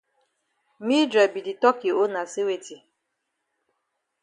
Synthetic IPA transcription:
mi˦dɾɛ˨bi˨di˨tɔ˦ki˨o˦na˨se˦we˨ti˨

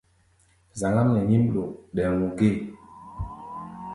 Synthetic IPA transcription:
za˨ŋɡa˦mnɛ˨ɲi˦mɗo˨ɗɛ˨ŋu˨ɡe˦˨

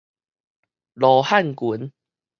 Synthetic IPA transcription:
lɔ˨ha˥˨nku˨˦n

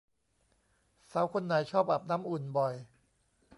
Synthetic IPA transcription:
sa˨˦wkʰo˧nːa˧˩˦jt͡ɕʰɔː˥˩p̚ʔa˨˩p̚naː˦˥mʔu˨˩nbɔ˨˩j

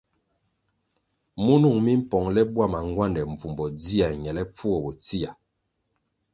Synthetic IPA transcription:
mu˦nu˦˨ŋmi˦m̩˦pɔ˨ŋlɛ˦bwa˦˨ma˨ŋɡwa˦˨ndɛ˨ɱ̩˨vu˨mbɔ˨di˦a˨ɲɛ˨lɛ˦p͡fu˦ɔ˨bɔ˨t͡si˦a˨

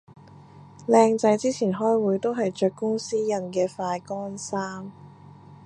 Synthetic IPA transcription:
lɛː˧ŋt͡sɐ˨˧jt͡siː˥t͡sʰiː˨˩nɦɔː˥jwuː˨˥jt̪o˥wɦɐ˨jt͡ʃœː˨kːʊ˥ŋsiː˥jɐ˨nkɛː˧faː˧jkɔː˥nsaː˥m

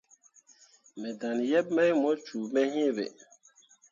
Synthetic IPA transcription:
mɛ˨da˨njɛ˦b̚mɛ˦jmɔ˦t͡ʃuː˨mɛ˦hĩ˦e˦˨bḛ˨

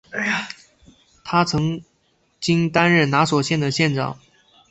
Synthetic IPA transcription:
t̪ʰa˥t͡sʰɤ˧˥ŋ | t͡ɕi˥ŋt̪a˥nɻə˥˩nna˧˥swɔ˨˩ɕjɛ˥˩nd̪ə˩ɕjɛ˥˧nʈ͡ʂɑ̰˥˩˦ŋ

